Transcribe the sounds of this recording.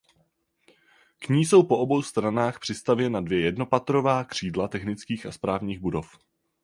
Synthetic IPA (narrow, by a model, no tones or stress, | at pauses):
kɲiːso̞wpo̞ʔo̞bo̞wst̪ɾanaːxpr̝̥ɪst̪avjɛnadvjɛjɛdno̞pat̪ɾo̞vaːkr̝̥iːdlat̪ɛxnɪt͡skiːxaspɾaːvɲiːɣbudo̞f